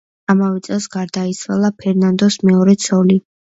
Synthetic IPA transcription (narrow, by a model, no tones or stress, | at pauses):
amavɛt̪sʼɛlˠsɡaɾd̪ait̪sʰwalˠapʰɛɾnand̪ɔsmɛɔɾɛt̪sʰɔli